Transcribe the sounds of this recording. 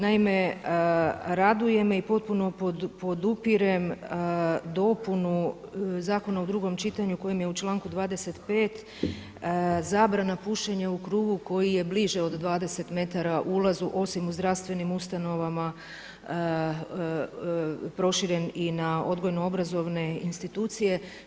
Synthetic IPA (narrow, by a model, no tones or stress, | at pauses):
naime̞ | ɾad̪uje̞meipo̞t̪̚puno̞popo̞d̪upiɾem | d̪o̞punuzaːko̞naud̪ɾuːɡo̞mt͡ʃit̪aɲuko̞jimje̞ut͡ʃlˠaːŋkud̪ʋaːd̪e̞se̞t̪pe̞ːt̪ | zaːbɾanapuʃteɲaukɾuːɡuko̞jije̞bliʒeo̞d̪ːʋaːd̪e̞se̞t̪me̞t̪aɾaʔulˠazuʔo̞simuzd̪ɾaʋst̪ʋe̞nimust̪ano̞ʋama | pɾo̞ʃiɾe̞ninao̞d̪ɡo̞jnoo̞bɾazo̞ʋne̞inst̪it̪uːt̪sije̞